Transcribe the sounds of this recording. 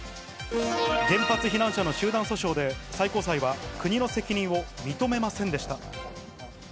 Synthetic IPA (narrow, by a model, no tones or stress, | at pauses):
ɡẽ̞mpat͡sɨçinãɰ̃ɕano̞ɕɨːd̪ãɰ̃so̞ɕo̞ːd̪e̞saiko̞ːsaiβakɯ̟ɲ̟ino̞se̞kʲiɲ̟ĩɰ̃o̞mʲit̪o̞me̞masẽ̞nd̪e̞ɕi̥t̪a